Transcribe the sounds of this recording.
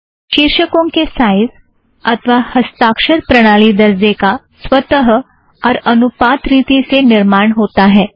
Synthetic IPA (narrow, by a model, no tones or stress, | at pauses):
ʃiːɾʃəkõkesaːɪz | ɐt̪ʰʋahɐst̪aːkʃəɾpɾɐɽ̃aːlid̪ɐɾzeka | swət̪əɦ | ɔːɾɐnʊpaːt̪ɾiːt̪isenɪɾmaːɳ̃ɦoːt̪aɦɛː